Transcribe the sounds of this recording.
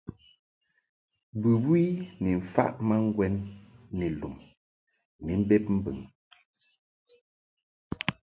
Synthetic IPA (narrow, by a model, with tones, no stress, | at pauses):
bʉ˨bwi˦ni˨ɱ̩˨fa̰˦ʔma˦ŋ̩˦ɡwɛ˦nːe˨lu˨m | ni˨˦m̩˦be˦p̚m̩˦bɨ̰˨ŋ